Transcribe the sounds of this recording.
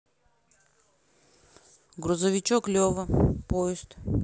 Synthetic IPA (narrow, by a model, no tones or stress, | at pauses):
ɡɾʊzəvʲɪt͡ʃoklʲovəpoɪst̪